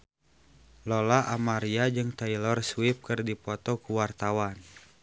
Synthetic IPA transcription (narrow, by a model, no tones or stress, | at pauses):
lɔlaʔamaɾiad͡ʒɨŋt̪ailɔrsuwip̚kɨrdipɔt̪ɔkuwart̪awan